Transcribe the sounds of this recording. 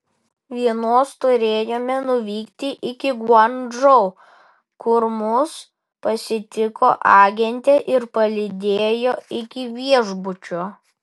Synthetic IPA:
ʋʲiɛnoːst̪ʊɾʲeːjoːmʲɛnʊʋʲiːkt̪ʲɪʔɪkʲɪɡwɔnʒɔʊ | kʊɾmʊs | pɐsʲɪt̪ʲɪko̰ːʔɑːɡʲɛnʲt̪ʲɛʔɪɾpɐlʲɪd̪ʲeːjoːɪkʲɪʋʲiɛʒbʊt͡ʃʲoː

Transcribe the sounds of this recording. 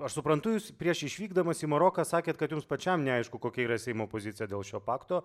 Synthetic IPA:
ɐʃsʊpɾɐnt̪ʊjuːspʲɾʲiɛʃɪʃʲʋʲiːɡd̪ɐmɐsiːmɐɾoːkɑːsɑːkʲeːt̪̚kɐt̪jʊmspɐt͡ʃʲɛmnʲɛɐɪʃkʊkoːkʲɛiːɾɐsʲɛɪmoːpoːzʲɪt̪sʲɪjɛd̪ʲeːlˠʃʲoːpɑːkt̪oː

